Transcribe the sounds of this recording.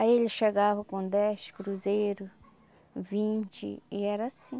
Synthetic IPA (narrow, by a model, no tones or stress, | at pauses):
aielɪʃeɡavɐkõd̪ɛskɾuzejɾʊs | vĩnt͡ʃɪ̰iɛɾɐasĩ